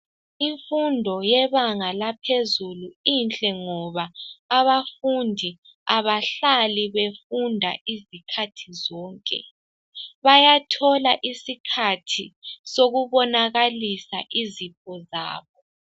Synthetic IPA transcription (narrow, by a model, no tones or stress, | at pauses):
iɱfundʱɔjɛβaŋalapʰezuluint͡ɬʼɛŋɔβaːβafundʱi | aβaɬaliβefundʱa̰ʔizikʰatʰizɔːŋkʼɛ̰ | βajatʰɔlaʔisikʰatʰisoɣuβɔnaɣalisa̰ʔizipʰɔza̰ːβɔ